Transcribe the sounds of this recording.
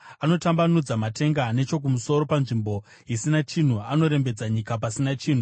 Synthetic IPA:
ano̞tambanud͡zamate̞ŋɡane̞t͡ʃo̞k̬umuso̞ɾo̞panʐimbo̞ | isinat͡ʃin̤uano̞ɾe̞mbe̞d͡zaɲikapasinat͡ʃiːn̤u

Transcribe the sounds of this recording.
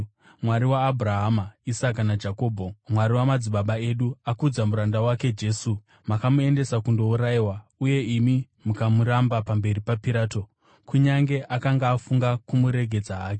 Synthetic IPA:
mwaɾiwaːbʱuraɦamaisakanad͡ʒako̞ːbʱomwaɾiwamad͡ziɓaɓae̞ɗuakud͡zamuɾandawake̞d͡ʒe̞ːsu | makamue̞nde̞sakundo̞uɾaiwauje̞imi | mukamuɾambapambe̞ɾipapiɾaːto̞ | kuɲaŋɡe̞ʔakaŋɡaːfuŋɡakumuɾe̞ɡʱe̞d͡zaaːke

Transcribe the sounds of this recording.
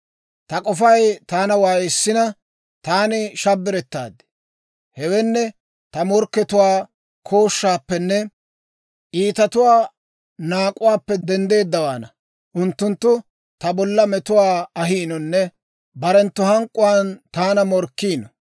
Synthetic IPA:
t̪ɐkʼɔfɐjt̪aːnɐwaːjɪsːɪnɐ | t̪aːnɪʃɐbːɪɾɛt̪ːa̰ːd̪ɪ̥ | hɛwɛnːɛ | t̪ɐmɔɾkːɛt̪ʊwaː | kʰoːʃːaːpːɛnːɛ | ʔiːt̪ɐt̪ʊwaː | naːkʼʊwaːpːɛd̪ɛnd̪e̞ːd̪ːɐwaːnɐ | ʔʊnt̪ːʊnt̪ːʊ | t̪ɐbɔlːɐmɛt̪ʊwaːɐɦiːnɔnːɛ | bɐɾɛnt̪ːʊhɐŋkʼːʊwaːnt̪aːnɐmɔɾkːiːnɔ

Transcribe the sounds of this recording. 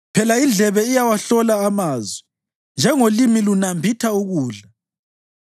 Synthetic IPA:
pʰɛlaind͡ɮʱɛβɛijawaɬɔlaːmaːzwɛ | nd͡ʒʱɛŋolimilunambʱitʰauɣuːɮa

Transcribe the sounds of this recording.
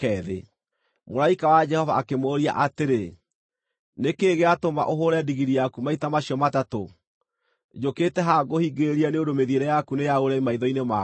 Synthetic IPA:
ɛðḛ | molaikawad͡ʒɛhɔvaːkemoːɾia̰ʔateɾe | nekeːɣeatoma̰ʔoɦoɾɛdiɣiɾijakumaitamaɕiɔmatato | d͡ʒoketɛɦaɡohiɡeɾianeondomeðieɾɛjakunejaoɾɛimaiðɔinema

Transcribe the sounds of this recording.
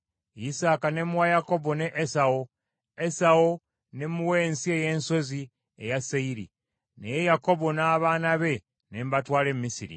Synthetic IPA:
isaːkanemuwajako̞bo̞neʔesao | esao | ne̞muwe̞ːnsie̞je̞ːnso̞zi | ḛjaseiɾḭ | nejejako̞bo̞naːβaːnaβe̞ | nembatwaːle̞mumisiɾḭ

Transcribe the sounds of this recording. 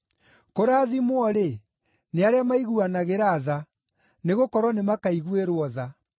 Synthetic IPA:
koɾaːðimwɔɾe | neaɾeamaiɣuanaɣeɾaða | neɣokɔɾwɔnemakaiɣweɾwɔða

